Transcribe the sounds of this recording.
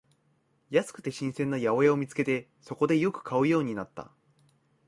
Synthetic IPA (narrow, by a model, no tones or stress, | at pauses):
jasɨ̥kɯ̟̥t̪e̞ɕĩɰ̃sẽ̞nːajao̞jao̞mʲit͡sɨ̥ke̞t̪e̞ | so̞ko̞d̪e̞jo̞kɯ̟̥kʰaɯ̟jo̞ːɲ̟inat̪ːa̰